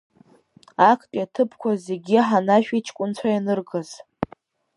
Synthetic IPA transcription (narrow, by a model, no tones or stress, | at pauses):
akʰtʼiatʰɨpʰkʷazeɡʲiħanaʃᶣit͡ʃʰkʷʼʊnt͡ɕʷʰajanɨrɡaz̥